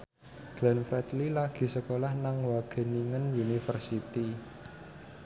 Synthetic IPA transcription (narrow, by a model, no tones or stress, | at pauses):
ɡ̥lɛnfɾɛt̪lilaɡ̥i̤səkolahnaŋwaɡ̥ə̤niŋənunifərsit̪i